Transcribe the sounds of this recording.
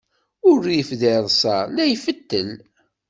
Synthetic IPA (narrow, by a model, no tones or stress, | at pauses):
ʊɾjəfðɪðˤsˤɑlæjfət̪ːən